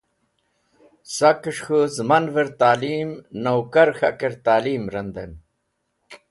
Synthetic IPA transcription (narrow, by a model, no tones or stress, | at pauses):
sɐkəʂxuzmɐnveɾt̪aːliːmnɐwkɐɾxɐ̰kɐɾt̪aːliːmɾɐnd̪ɐm